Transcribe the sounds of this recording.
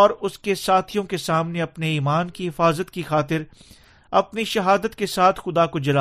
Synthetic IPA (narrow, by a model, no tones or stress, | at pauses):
ɔːɾʊskesaːt̪ʰijõkesaːmneɐpneiːmaːnkiɦɪfaːzət̪kixaːt̪ɪɾ | ɐpniʃɐɦaːd̪ət̪kesaːt̪ʰxʊd̪akod͡ʒɐlaː